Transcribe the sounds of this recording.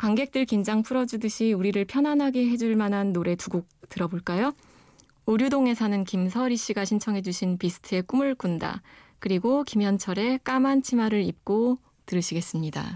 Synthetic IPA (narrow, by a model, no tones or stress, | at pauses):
kwaŋɡe̞k̚t͈ɯɭkind͡ʑaŋpʰuɾʌd͡ʑudɯɕʰiuɾiɾɯɭpʰjʌnɦanɦaɡe̞ɦe̞d͡ʑuɭmanɦanːoɾe̞tuɡok̚tɯɾʌboɭk͈ajo | uɾjudoŋe̞sʰanɯnkimsʰʌɾiɕ͈iɡaɕʰint͡ɕʰʌŋɦe̞d͡ʑuɕʰinpisʰɯ̥tʰɯe̞k͈umɯɭkunda̰ | kɯɾiɡokimjʌnt͡ɕʰʌɾe̞k͈amant͡ɕʰimaɾɯɾip̚k͈o | tɯɾɯɕʰiɡe̞s͈ɯmɲida̰